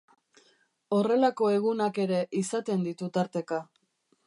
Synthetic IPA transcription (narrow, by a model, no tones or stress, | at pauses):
o̞re̞lako̞e̞ɣ̞unake̞ɾe̞ʔisat̪e̞nd̪it̪ut̪aɾt̪e̞ka